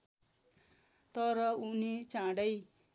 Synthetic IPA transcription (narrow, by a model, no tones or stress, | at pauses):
t̪ʌɾʌunit͡sãɽʌj